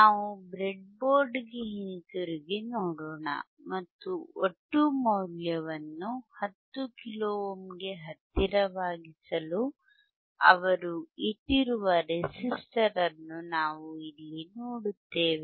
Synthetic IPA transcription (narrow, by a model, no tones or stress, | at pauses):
naːʋubɾeɖ̚boːɾɖɡeɦint̪uɾiɡenoːɽoːɳɐ̰ | mɐt̪ːuoʈːumɐwljɐʋɐnːuhɐt̪ːukiloːomɡe̞ɦɐt̪ːiɾɐʋaːɡisɐlu | ɐ̰ʋɐɾuiʈːiɾuʋɐɾesisʈɐɾɐnːunaːʋuilːinoːɽut̪ːe̞ːʋe